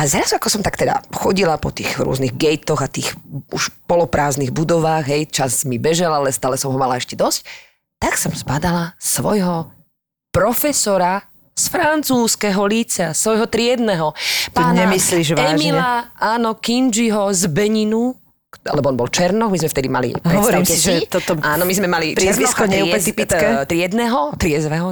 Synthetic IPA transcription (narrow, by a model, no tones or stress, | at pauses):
azɾazuakɔsɔmt̪akt̪ɛd̪a̰xɔɟilapɔt̪ḭːɣɾuʊɔ̰zniɣɡɛjt̪ɔɣat̪iːxṵʃpɔlɔpɾʔaːzniɣbud̪ɔʋaːɣɦɛjt͡ʃasmibɛʒɛlalɛst̪aːlɛsɔmɦɔmalaɛʃcɛd̪ɔsc | t̪aksɔmsbad̪alasʋɔjɦɔ | pɾɔfɛsɔɾa | sfɾant͡suːskɛɦɔlit͡sasʋɔjɦɔt̪ɾɪɛd̪nɛɦɔt̪aɲɛmisliʒʋaɛʒmilɛaʔaːnɔkind͡ʒiɦɔzbɛɲinu | a̰lɛbɔɔnbɔlt͡ʃɛɾnɔkmizmɛft̪ɛd̪ima̰lḭɦɔʋɔɾimsɛiʒɛt̪ɔt̪ɔaːnɔmizmɛmaliɪɛzʋiskɔɲɛɛt̪ipikɛt̪ɾɪɛd̪nɛɦɔt̪ɾɪɛzʋɛɦɔ